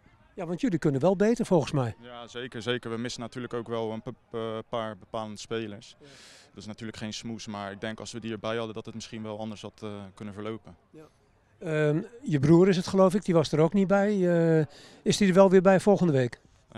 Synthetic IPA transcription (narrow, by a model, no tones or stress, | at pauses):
jaʋɑntjølikønənʋɛlˠbejtəɹfɔlˠχəsmɛjjazejkəɹzeːkəɹʋəmɪsənatyːləkowkʋɛlˠənpaːɹbəpaːləndəspeːləɹsdəɪsnatyːləkχejnsmusmaːɹɪɡ̚dɛŋkɑ̰lˠsʋədiəɹbɛjhɑdədɔtətmɪsχinʋɛlˠɑndəɹsɑtkønənvəɹlowpən | əjəbruəɾɪs̬ətχəlowfɪk̚diʋɔsdəɾoknibɛj | ɪsdidəɹʋɛlˠʋɪbɛjfɔlˠxəndəʋeːk